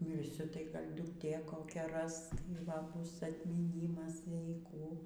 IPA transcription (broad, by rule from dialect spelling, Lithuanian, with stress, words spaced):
mʲɪrʲˈsʲʊ tɐɪ ˈɡɐlʲ dʊkˈtʲeː koːˈkʲɛ ˈrɐs tɐɪ ˈʋɐ ˈbʊs ɐtʲmʲiːˈnʲiːmɐs jɛɪ ˈkuː